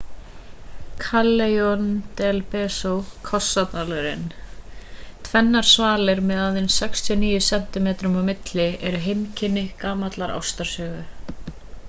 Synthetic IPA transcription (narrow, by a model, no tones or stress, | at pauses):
kʰalːejɔnt̪ɛlpɛːsowkʰɔsːat̪nalœɾɪ̰n | t̪ʰvɛnːaɾ̥svaːlɪɾmɛðaðɪnsɛkst̪ʰjɔniːjʏsɛm̥t̪ɪmeːt̪ɾʏmawmɪt̪lɪɛɾʏɦejmcʰɪnːɪkaːmat̪laɾa̰wst̪aɾ̥sœːɣʏ